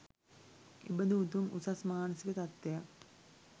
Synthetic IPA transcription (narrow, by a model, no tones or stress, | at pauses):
ḛbəd̪əut̪umṵsasmaːnəsikət̪at̪ːejak